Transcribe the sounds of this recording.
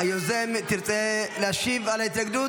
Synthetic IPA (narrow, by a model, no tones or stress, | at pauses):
ajozemt̪iɾt͡sʼeleaʃivalait̪laɡd̪u